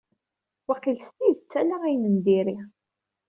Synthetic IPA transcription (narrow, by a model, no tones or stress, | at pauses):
wæqilst̪iət͡sːælaʁijnənd̪iɾi